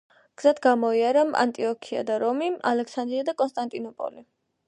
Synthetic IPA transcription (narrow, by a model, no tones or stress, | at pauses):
ɡ̥z̥ad̪ʰɡamɔiaɾama̰nt̪ʼiɔkʰia̰d̪aɾɔmima̰lɛksand̪ɾiad̪akʼɔnst̪ʼant̪ʼinɔpʼɔ̰li